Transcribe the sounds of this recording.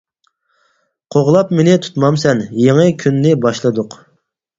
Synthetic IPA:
qʰoʁlˠɑpmenɪt̪ʰu̥t̪mɑmsɛnjeŋɨkʲʰynːɪbɑʃlˠɨd̪ʊq

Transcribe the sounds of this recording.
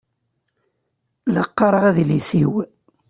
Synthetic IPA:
ləqːɑɾˤəʁæðlisiw

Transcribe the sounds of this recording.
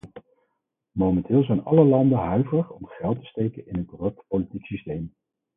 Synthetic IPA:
mowmɛntɪːlˠzɛjnɑ̰ləlɑndənɦœɥvəəχɔmχɛlˠtə̥stejkənɪnɦənkɔrɵp̚tpolitiksistejm

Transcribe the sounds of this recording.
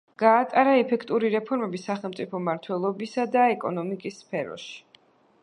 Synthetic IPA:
ɡ̥aːt̪ʼaɾaɛpʰɛkʰt̪ʼuɾiɾɛpʰɔɾmɛbisaχɛlˠmt̪sʼipʰɔmaɾt̪ʰwɛlˠɔbisad̪aɛkʼɔnɔmikʼisːpʰɛɾɔ̰ʃi̥

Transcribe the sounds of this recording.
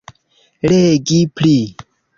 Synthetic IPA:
leɡipli

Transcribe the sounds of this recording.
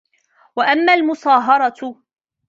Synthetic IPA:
waʔamːaːlmʊsˤɑːɦɑɾˤɑ

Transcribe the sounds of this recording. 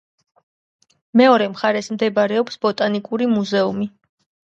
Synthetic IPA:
mɛɔɾɛmχaɾɛsmd̪ɛbaɾɛɔpsbɔt̪ʼanikʼuɾimuzɛumi

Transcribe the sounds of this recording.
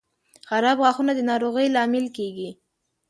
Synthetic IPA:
xaɾɑbɣɑxunad̪ənɑɾoɣəjlɑmɪlkeɡi

